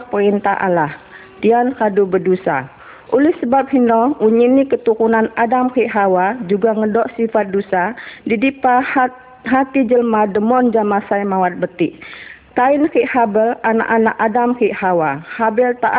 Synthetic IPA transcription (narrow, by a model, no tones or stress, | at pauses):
pəɾint̪aɦʔa̰lah | diankadubədusa̰ | ʔulɪhsəbap̚hinɔuɲinikət̪uɾunanadamkiʔɦawad͡ʒuɡaŋədɔʔsifat̪̚dusadidipa | ɦat̪id͡ʒəlmadəmɔnd͡ʒamasajmawat̪̚bət̪ɪʔ | kainkiʔhabəlana̰ʔanaʔadamkiʔhawahabɛlt̪aʔ